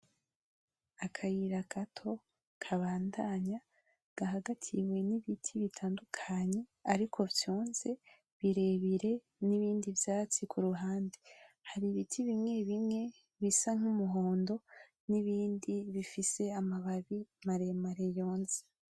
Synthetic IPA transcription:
akʰajiɾaɡatʰo̞ | kʰaβaːndaɲa | ɡ̥aɦaɡatʰiwe̞niβitʰiβitʰaːndukʰaɲe̞aɾikʰo̞vjuːnz̥e̞ | βiɾe̞βiɾe̞ | niβiːndivjaːt͡sikʰuɾuɦaːndihaɾiβitʰiβimŋe̞βimŋe̞ | βisaŋ̥umuɦo̞ːndo̞ | niβiːndiβifise̞amaβaβimaɾemaɾe̞jo̞ːnze̥

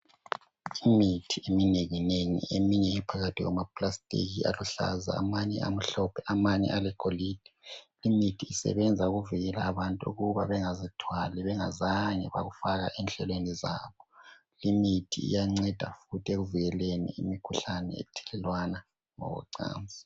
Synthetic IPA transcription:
imitʰiemineŋineŋḭemiɲɛɛpʰaɣatʰiɣa̰mapʰʼlastʼḭɣialuɬa̰za̰ːmaɲɛ̰ʔam̩ɬɔpʰɛʔamaɲɛ̰ʔalɛkʰoliːd̥ʱɛ̥limitʰiːsɛ̰βɛnd͡zʱauɣuviɣɛlaːβantʼuṵɣuβaβɛŋazitʰwalɛβɛŋazaŋɛβa̰ɣufaɣa̰ʔɛnɬɛlweniza̰ːβɔ | limitʰḭːjaŋ͡ǀɛd̥ʱa̰futʰʼieɣuviɣɛlenḭḭmikʰuɬanɛ̰ɛ̰tʰɛ̥lɛlwana | ŋɔ̰ɣɔ̰ǀa̰ːnd͡zʱi

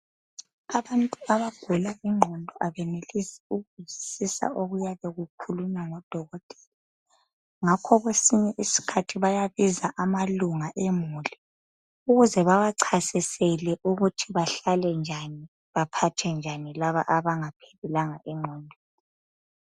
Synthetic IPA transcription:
aβantʼuaβaɡ̥ʱulaʔiŋ͡ǃʱɔndʱɔʔaβɛnelisi̥uɣuzisisa̰ʔoɣujaβeɣukʰulunaŋɔd̥ʱɔɣɔtʼɛ̥la | ŋakʰɔɣwesiɲɛʔisi̥kʰatʰiβajaβizaʔamaluŋaʔemuːli | uɣuzɛβaɣaǀʰasisɛlɛʔuɣutʰiβaɬalɛnd͡ʒʱani | βapʰatʰɛnd͡ʒʱanilaβa̰ʔaβaŋapʰe̥lulaŋaʔiŋ͡ǃʱɔːndʱɔ̥

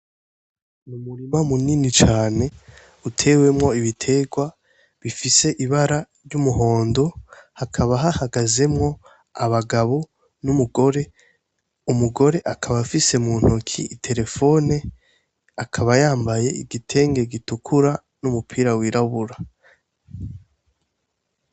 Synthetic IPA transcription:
numuɾimamuninit͡ʃaːne̞ | utʰe̞we̞mŋo̞iβitʰe̞ɡwa | βifise̞ʔiβaɾa | ɾjumuɦo̞ːndo̞hakʰaβaɦahaɡaze̞mŋo̞ | aβaɡaβo̞ | numuɡo̞ɾe̞ | umuɡo̞ɾe̞ʔakʰaβafise̞muːn̥hokʰiitʰe̞ɾe̞fo̞ːne | akʰaβajaːmbaje̞iɡitʰe̞ːŋɡe̞ɡitukʰuɾa | numupʰiːɾawiɾaβuɾa

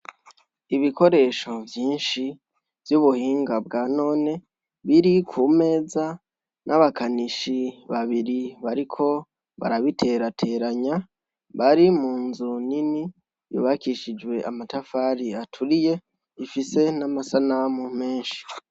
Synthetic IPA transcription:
iβiko̞ɾe̞ːʃo̞vjiːnʃi | vjuβuhiːŋɡabɡaːno̞ːne̞ | βiɾikʰuːme̞ːza | nʔaβakaniʃiβaβiɾiβaɾikʰo̞ | βa̰ɾaβitʰe̞ɾatʰe̞ɾaɲa | βaɾimuːnzunini | jṵβakiʃid͡ʒwe̞ʔamatafaɾiatʰuɾije̞ | ifise̞namasanamume̞ːnʃi̥

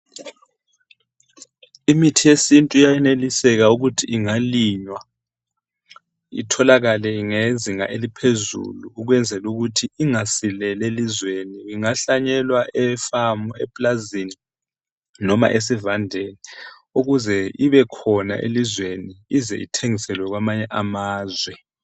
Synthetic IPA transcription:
imitʰijesintʼuijajɛnelisɛɣauɣutʰiʔiŋaliɲwa | ḭtʰɔlaɣalɛiŋeziŋa̰ʔelipʰezṵluːɣwɛnd͡zʱɛluɣutʰiiŋasilɛlelizweniiŋaɬaɲɛlwaʔɛfamuɛ̰pʼlazini | nɔma̰ʔes̬ivandʱeːnɛ | uɣuzɛiβɛkʰɔna̰ʔḛlizweniizɛ̰ʔḭtʰeŋisɛlwɛɣwamaɲɛʔamaːzwɛ

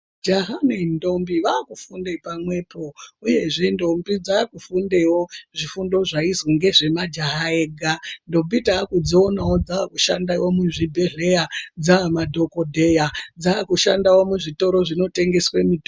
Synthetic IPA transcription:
d͡ʒaɦanendo̞mbiʋaːkufundepamwe̞po̞uje̞ʐe̞ndo̞mbid͡zaːkufunde̞wo̞ʐifundoʐaizoŋɡe̞ʐe̞mad͡ʒaɦaeːɡʱando̞bitaːkud͡zoːnawo̞d͡zaːkuʃa̰ndawomuʐibʱeɮe̞jad͡zamadʱo̞ko̞dʱe̞jad͡zaːkuʃandawo̞muʐito̞ɾo̞ʐino̞te̞ŋɡe̞swemito

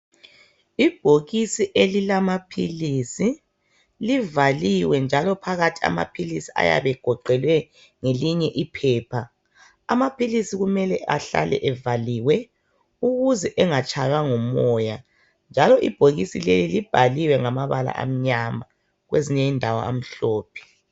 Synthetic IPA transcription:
ib̥ʱoɣisiʔelilamapʰilisi | livaliwɛnd͡ʒʱalɔpʰaɣatʰi̥a̰ma̰pʰilisia̰ja̰βɛɡ̥ʱɔǃɛlwɛ | ŋeliɲɛʔipʰɛːpʰa | a̰mapʰilisiɣumɛlɛʔa̰ɬa̰lɛ̰ʔɛvaliːwɛ | uɣuzɛʔɛŋat͡ʃʰʼajwaŋɔmɔja | nd͡ʒʱalɔʔib̥ʱoɣisilḛlilib̥ʱaliwɛŋamaβala̰ʔa̰m̩ɲama | ɣweziɲɛindʱawa̰a̰m̩ɬɔːpʰɛ̥

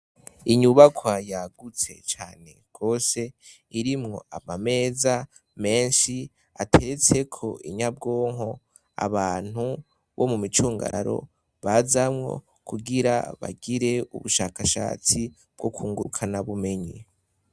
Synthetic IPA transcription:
iɲuβakʰwajaɡut͡se̞̰t͡ʃaːne̞̰ɡ̥o̞ːse̞ | iɾimŋo̞amame̞ːza | me̞ːnʃi | atʰeɾet͡se̞kʰo̞ʔiɲab̚ɡo̞ːŋɦo̞ | a̰βaːn̥u | βo̰mumit͡ʃuːŋɡa̰ɾa̰ɾo̞̰ | βazamŋo̞̰ | kʰuɡiɾa̰βa̰ɡiɾe̞ṵβuʃaːkaʃa̰ːt͡si | b̥̚ɡokuːŋɡuukʰanaβume̞ɲi

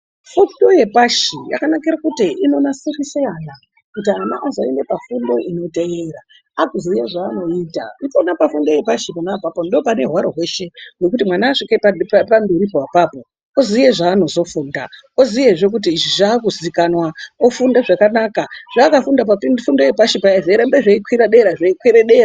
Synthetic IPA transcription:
fundo̞je̞paʃija̰kanakiɾakutiʔino̞nasiriseana | kutiana̰ʔːzaine̞pafundo̞ʔino̞teeɾa | akuzijeʐaːno̞iːta̰itonapafundo̞je̞paʃipanawapapondoopane̞ɦwaɾoɦwe̞ʃe̞wjek̬utimwanaːʂikepapambiɾipowapapo | ozijeʐaːno̞zo̞fuːnda̰ | ozijeɦʐe̞k̬ut̬iːʐiʐakuzikanwaofundaʐakanaːkaʐ̥aːkafundapafundojepaʃipaiteɾambeʐeikwiɾaɗe̞ɾaʐaikwiɾeɗe̞ra

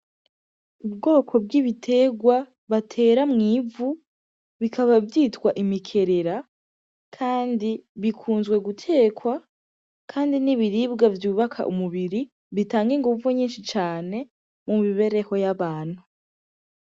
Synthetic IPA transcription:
ub̚ɡo̞ːkʰo̞bɡiβitʰe̞ɡwa | βatʰe̞ːɾamŋiːvu | βikʰaβavjiːtwaʔimikʰe̞ɾe̞ɾa | kʰaːndiβikʰuːnzɡwe̞ɡutʰe̞ːkwa | kʰaːndiniβiɾiːbɡavjuːβakʰa̰ʔṵmuβiɾi | βitaːŋɡiŋɡuvuɲiːnʃit͡ʃaːne̞ | mumiβe̞ɾe̞ho̞jaβaːn̥hu

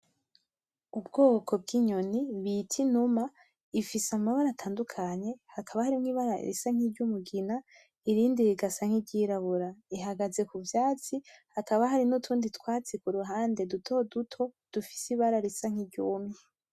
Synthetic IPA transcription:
ubɡoːkʰo̞b̚ɡiːɲo̞niβitʰinuma | ifisamahoɾatʰaːndukʰaɲe̞hakʰaβahaɾimŋiːβaɾa̰ɾḭsaŋ̥iɾɟumuɡina | iɾiːndiɾiɡasaŋ̥iɟiːɾaβuɾaiɦaɡaze̞kuvjaːt͡sihakaβaɦaɾinutʰuːnditwaːt͡sikuɾuɦaːnde̞dutʰo̞dutʰo̞d̥ufi̥siβaɾaɾisaŋ̥iɾɟuːme

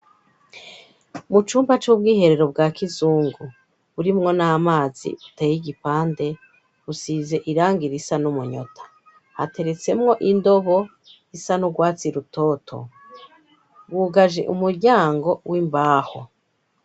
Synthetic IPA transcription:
mut͡ʃuːmbat͡ʃub̚ɡiːhe̞ɾe̞ɾo̞b̚ɡaːkizuːŋɡu | βuɾimŋo̞namaːzḭutejiɡipaːnde̞ | usize̞ʔiɾaːŋɡiɾisanumuɲo̞̰tʰḁ | ha̰te̞ɾe̞t͡se̞mŋo̞ʔindo̞βo̞ | isanuɡwaːt͡siɾutʰo̞ːtʰo̞̰ | wuɡaʒḛʔumuɾɟaːŋɡo̞wʔimbaːho

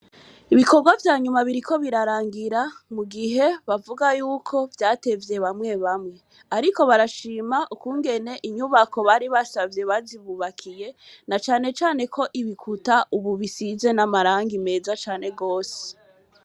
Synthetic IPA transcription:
iβiko̞ɾɡwavjaːɲumaβiɾiko̞βiɾaɾaːŋɡiɾamuɡiɦe̞βavuɡajuːkʰo̞vjaːte̞vje̞βamŋe̞βamŋe̞ | aɾiko̞βaɾaʃiːmaʔukuːŋɡe̞ne̞ʔiɲuβako̞βaɾiβasavje̞βaziβuβakʰije̞nat͡ʃaːne̞t͡ʃaːne̞kʰo̞ʔiβikʰutaʔuβuβisize̞namaɾaːŋɡime̞ːzat͡ʃaːne̞ɡo̞ːse̥

